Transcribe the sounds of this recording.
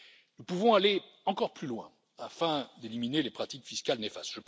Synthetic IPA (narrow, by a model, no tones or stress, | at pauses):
nupuvɔ̃ale | ɑ̃kɔʁplylwɛ̃ | afɛ̃d̪eliminelepχat̪ikfiskalnefa̰st̪ʒ̥əp